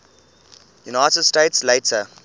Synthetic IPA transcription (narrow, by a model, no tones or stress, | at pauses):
junaɪtədsteːtsleɪtə